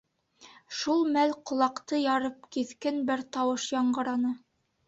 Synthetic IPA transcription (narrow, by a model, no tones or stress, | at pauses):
ʃulˠmælqŏlˠɑqt̪ɤjɑɾɤp̚kiθkɘnbɘɾt̪ɑwɤʃjɑɴɢɤ̆ɾɑnɤ